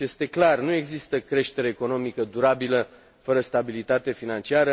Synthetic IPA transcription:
est̪e̞klarnue̞ɡzist̪əkɾe̞ʃt̪e̞ɾe̞ːko̞no̞mikəd̪uɾabilə | fəɾəst̪abilit̪at̪e̞finant͡ʃiaɾə

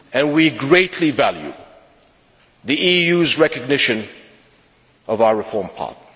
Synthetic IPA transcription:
ɨ̃nwiɡɹeɪtʰˡlivælˠjʉ̰ | ðiʔijʉzɹɛkɨɡ̚nɪʃɨ̃n | ʌvaʊəɹɨfɔɹmpʰɑ̰ɹθ̚

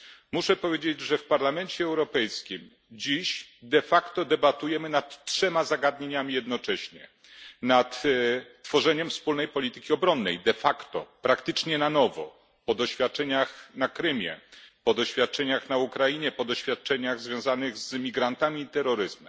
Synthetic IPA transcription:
muʂɛpɔvʲjed͡ʑed͡ʑʐɛfpaɾlamɛɲt͡ɕɛɛwɾɔpɛjskʲim | d͡ʑiɕd̪ɛfakt̪ɔd̪ɛbat̪ujɛmɘnat̪tʂɛmazaɡad̪ɲeɲamʲijɛd̪nɔt͡ʂɛɕɲɛ̰ | nat̪ː | fɔʐɛɲɛmfspulnɛjpɔlʲit̪ɘ̥kʲiɔbɾɔnːɛjd̪ɛfakt̪ɔ̰pɾakt̪ɘt͡ʂɲɛnanɔvɔ̰ | pɔd̪ɔɕfʲat̪̚t͡ʂɛɲaxnakɾɘmʲjɛ̰pɔd̪ɔɕfʲjat̪̚t͡ʂɛɲaxnaukɾajiɲɛpɔd̪ɔɕfʲjat̪̚t͡ʂɛɲaɣzvʲjɔ̃w̃zanɘɣzmʲiɡɾant̪amʲiːt̪ɛɾːɔɾɘzmɛmm

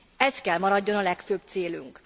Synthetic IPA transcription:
ɛskɛlmɒɾɒɟːo̞nɒlɛkføːbt̪seːly̰ŋk

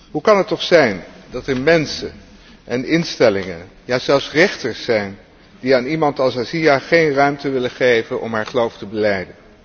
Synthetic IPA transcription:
ɦukɑnɦətɔχsɛjndɑtəɹmɛnsə | ʔɛnɪnstɛlɪŋən | jaːzɛlˠfsrɪχtəɹsːɛjn | d̥iaːnimɑntɑlˠsazijaχejnrœɥmtəʋɪləχejvənʔɔ̰mɦaːɹχəlowftəbəlɛjdən

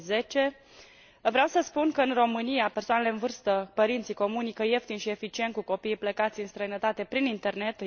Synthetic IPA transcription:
ze̞t͡ʃe̞ | vɾeawsəspunkəɨnro̞mɨnijape̞rsoanele̞ɨnvɨrst̪əpəɾint̪sijko̞munikəje̞ft̪inʃie̞fit͡ʃie̞nt̪̚kuko̞piːpləkat̪sʲɨnst̪ɾəjnət̪at̪e̞pɾinint̪e̞rne̞t̪

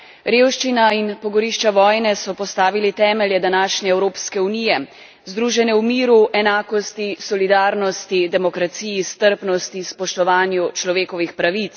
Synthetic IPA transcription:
ɾeːwʃt͡ʃinainpɔɡɔɾiʃt͡ʃaʋɔːjnɛsɔpɔst̪aːʋilit̪ɛːmɛljɛd̪anaːʃnɛɛwɾoːpskɛunijɛ | zd̪ɾuːʒɛnɛwmiːɾuʔɛnaːkɔst̪isɔlid̪aːɾnɔst̪id̪ɛmɔkɾat̪sijist̪əɾpnɔst̪ispɔʃt̪ɔʋaːnjut͡ʃlɔʋeːkɔʋixpɾaʋit̪s

